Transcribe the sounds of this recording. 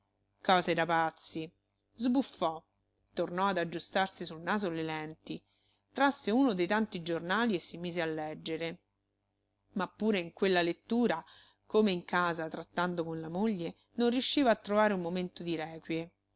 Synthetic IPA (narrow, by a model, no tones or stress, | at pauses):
kɔːzed̪apat̪sːi | zbufːɔ | t̪ornɔad̪ad͡ʒːust̪arsisulnaːzolelɛnt̪i | t̪ɾasːeuːnod̪ejt̪ant̪id͡ʒornaːliesːimiːzealːɛd͡ʒːeɾe | mapːuːɾeiŋkwelːalet̪ːuːɾa | komeiŋkaːzat̪ɾat̪ːand̪okonlamoʎːe | nonrjuʃːiːvaːt̪ːɾovaːɾeumːoment̪od̪iɾɛːkwje